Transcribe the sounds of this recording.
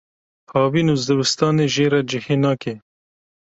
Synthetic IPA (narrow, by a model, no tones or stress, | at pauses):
hɑːwiːnuzd̪ɨbɪst̪ɑːneːʒeːɾɑːd͡ʒɪheːnɑːkeː